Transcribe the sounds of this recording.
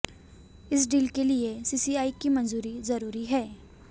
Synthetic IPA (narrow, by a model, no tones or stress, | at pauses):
ɪs̬ɖiːlkeliesiːsiaːikimɐ̃nzuːɾizɐɾuːɾiɦɛː